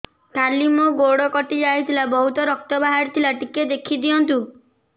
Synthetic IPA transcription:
kalimoɡoɽɔkɔʈid͡ʒajt̪ʰilabɔɦut̪ɔɾɔk̚t̪ɔbaɦaɾt̪ʰilaʈiked̪ekʰid̪ijɔnt̪u

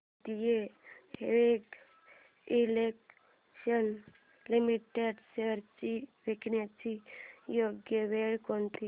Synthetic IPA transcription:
t̪ijeheʋek | ilek | ʃən | limiʈeɖsəɾt͡ʃiʋeknat͡ʃijoɡjəʋeɭkont̪i

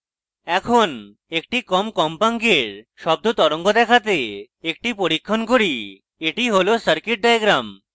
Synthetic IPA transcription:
ɛkʰon | ek̚ʈikɔmkɔmpaŋkeɾʃɔb̚d̪ot̪ɔɾoŋɡod̪ɛkʰat̪e | ek̚ʈipoɾikʰːonkoɾi | eʈiɦolosəɾkiʈ̚ɖajeɡɾam

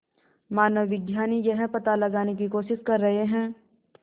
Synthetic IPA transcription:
maːnəʋʋɪɡjaːnijɐɦɛ̃pɐt̪alɐɡaːnek̬ikoːʃɪʃkɐɾːɐɦeɦɛ̃ː

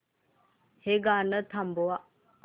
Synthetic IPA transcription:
heɡanət̪ʰambowa

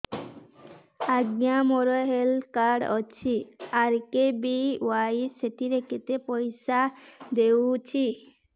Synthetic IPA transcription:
aɡɲamɔɾɔɦelkaɖɔt͡ʃʰiaɾkebiwaiseʈiɾeket̪epɔjsad̪ewt͡ʃʰi

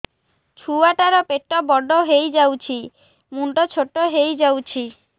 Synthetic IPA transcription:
t͡ʃʰuaʈaɾɔpeʈːɔbɔɖɔɦejd͡ʒawt͡ʃʰi | muɳɖɔt͡ʃʰoʈːɔɦejd͡ʒawt͡ʃʰi

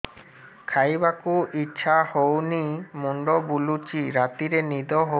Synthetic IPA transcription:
kʰajbakuʔitːʃʰahownimuɳɖɔbulut͡ʃiɾat̪iɾenid̪ɔɦo

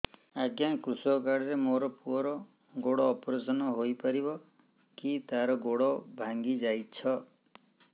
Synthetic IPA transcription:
aɡjankɾusɔkaɽɔɾemoɾɔpuɔɾɔ | ɡoɽɔːpɔɾesɔnɔɦojpaɾibɔ | kit̪aɾɔɡoɽɔbʱaŋɡid͡ʒajt͡ʃʰɔ

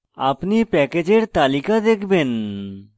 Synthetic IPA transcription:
a̰pnipɛːkeːd͡ʒeɾt̪aːlikad̪eːkʰben

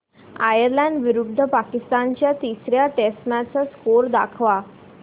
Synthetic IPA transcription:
a̰jəɾlãɳɖʋiɾub̚d̪ʱəpakist̪ant͡ɕjat̪isɾjaʈesmat͡səskoɾd̪a̰kʰʋa

